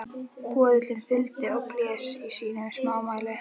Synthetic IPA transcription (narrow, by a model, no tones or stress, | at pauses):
kʰɔːðɪt̪lɪnθʏlt̪ɪɔwplɛːsisiːnʏmsmaːwmaːlɪ